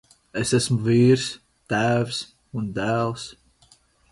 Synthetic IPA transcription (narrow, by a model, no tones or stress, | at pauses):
esæsmuviːɾs | t̪æːvs | und̪æːlˠs